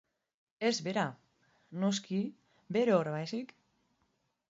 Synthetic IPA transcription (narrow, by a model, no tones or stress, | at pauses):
ezβeɾa | noski | beɾeoɾβajsik